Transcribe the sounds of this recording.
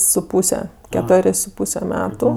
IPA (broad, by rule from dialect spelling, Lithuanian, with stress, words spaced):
sʊ ˈpuːsʲɛ kʲɛˈtoːrʲeːsʲ sʊ ˈpuːsʲɛ ˈmʲæːtʊ